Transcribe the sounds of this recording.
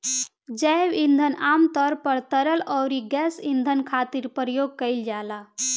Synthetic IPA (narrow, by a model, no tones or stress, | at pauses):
d͡ʒəʋĩnd̪ʱənaːmt̪ɔɾpəɾt̪əɾəlɔːɾiɡɛsind̪ʱənkʰaːt̪iɾpəɾəjoɡ̚kəɪld͡ʒaːla